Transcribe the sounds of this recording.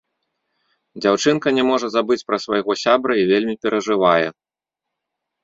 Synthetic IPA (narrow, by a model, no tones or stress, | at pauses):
d͡zʲawt͡ʂɨnkɐnʲɛmɔʐɐzabɨt͡sʲpɾɐsvajɣɔsʲabɾɐivʲelʲmʲipʲɛɾʔɐʐɨvajɛ̰